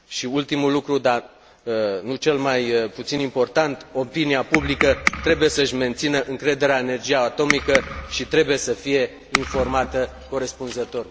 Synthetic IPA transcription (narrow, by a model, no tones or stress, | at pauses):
ʃiult̪imulːukɾud̪a | nut͡ʃe̞lmajput̪sinimpo̞rt̪ant̪o̞piniapublikət̪ɾe̞buje̞səɨʃʲme̞nt̪sinəʔɨŋkɾe̞d̪e̞ɾeaene̞rd͡ʒijaːt̪o̞mikəʃit̪ɾe̞buje̞səfije̞ | info̞rmat̪ə | ko̞ɾe̞spunzət̪o̞r